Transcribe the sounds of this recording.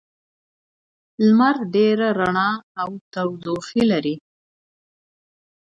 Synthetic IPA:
lmaɾɖeɾaɾaɳɑːwt̪awdoxilaɾi

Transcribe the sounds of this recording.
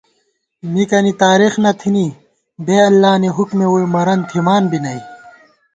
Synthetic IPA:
mikɐnit̪aːɾixnɐt̪ʰini | beːɐlːaːneɦukmeojmɐɾɐnt̪ʰimaːnbinɐi

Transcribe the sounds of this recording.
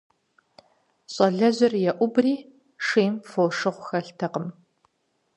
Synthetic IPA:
ɕʼɐɮɐʑɪrjɛʔʷʊbriː | ʂeːmfoːʂɨʁʷʊxɐɬtʰɐqəm

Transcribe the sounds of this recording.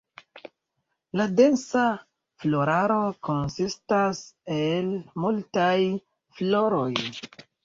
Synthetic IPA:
lade̞nsa | flo̞ɾaɾo̞ko̞nsistase̞lmultaj | flo̞ɾo̞j

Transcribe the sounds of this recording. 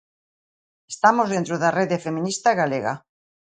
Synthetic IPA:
est̪amozðent̪ɾoðareðefemĩnist̪aɣaleɣa̰

